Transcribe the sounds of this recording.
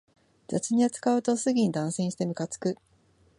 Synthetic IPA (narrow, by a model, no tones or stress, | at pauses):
zat͡sɨɲ̟iat͡sɨ̥kaɯ̟t̪o̞sɨɡʲiɲ̟id̪ãɰ̃sẽɕi̥t̪e̞mɯ̟kat͡sɨ̥kɯ̟